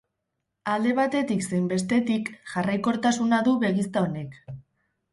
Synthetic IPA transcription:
ald̪e̞β̞at̪e̞t̪ikse̞jmbe̞st̪e̞t̪ikʝarajko̞ɾt̪asunaðuβe̞ɣ̞ist̪ao̞ne̞k

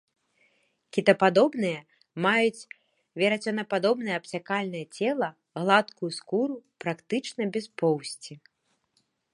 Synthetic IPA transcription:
kʲit̪ɐpad̪ɔbnɨjɐ | majut͡sʲ | vʲɛɾɐt͡sʲɔnɐpad̪ɔbnɨjɛɐpsʲakalʲnɐjɐt͡sʲɛlˠɐ | ɣlˠat̪kujuskuɾupɾakt̪ɨt͡ʂnɐbʲɛspɔwsʲt͡sʲi

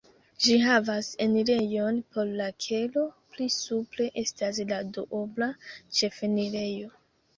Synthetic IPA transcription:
d͡ʒiɦavaseniɾe̞jo̞npʰoɾlakʰe̞lo̞plisuple̞ʔe̞stas̬ladoʔoblat͡ʃe̞feniɾe̞jo̞

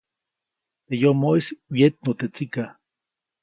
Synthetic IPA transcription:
t̪ejomoiswjet̪̚not̪et͡sika

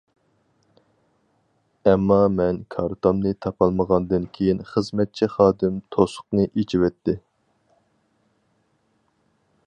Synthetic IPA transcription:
ɛmːɑmɛnkʰɑɾt̪ʰomnɨt̪ʰɑpʰɑlˠməʁɑnd̪ɨnkʲʰejinχəzmɛt̪̚t͡ʃʰɛχɑːd̪ɨmt̪ʰosʊ̥qnɨʔet͡ʃʰiwɛt̪ʰːɪ

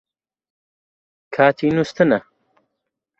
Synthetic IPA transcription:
kʰaːt̪inust̪əna

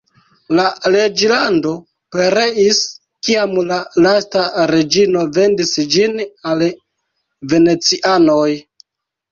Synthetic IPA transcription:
lale̞d͡ʒlando̞ | peɾe̞is | kiamlalastaɾe̞d͡ʒino̞ve̞ndisd͡ʒinal | ve̞ne̞t͡siʔanoj

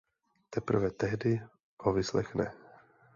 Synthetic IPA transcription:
t̪ɛpɾ̩vɛt̪ɛɦdɪ | hovɪslɛxnɛ̰

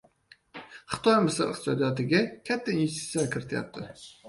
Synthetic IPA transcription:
χɨ̥t̪ʰɒjmɪsɨɾɨ̰χt̪ɨ̥sɒd̪ijɒt̪ɪɡʲakʲʰæt̪ʰːainest̪i̥sʲjakʲʰɪɾɪt̪ʰɪja̰p̚t̪ʰɪ

